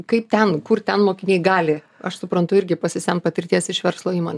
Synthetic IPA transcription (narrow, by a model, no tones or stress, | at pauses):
kɐɪpt̪ʲɛnkʊrt̪ʲɛnmoːkʲɪnʲeɪɡɑːlʲɪ | ɐ̰ʃsʊpɾɐnt̪ʊɪɾʲɡʲɪpɐsʲɪsʲɛnpɐt̪ʲɪɾʲt̪ʲiɛsɪʃʋʲɛɾslˠoːiːmoːnʲ